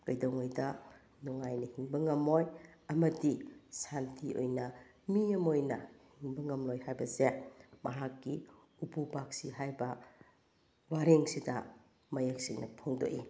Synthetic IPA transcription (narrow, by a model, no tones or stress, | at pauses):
kɐjdɐŋojdɐ | nuŋajnɐhiŋbɐŋɐmojɐmɐdisantʰio̰jnɐ | miɐmojnɐhiŋbɐŋɐmlojhajbɐsemɐ̰ɦakːi | upubak̚siɦajbɐ | waɾeŋsidɐ | mɐjek̚siŋnɐ̰pʰoŋdo̰ʔḭ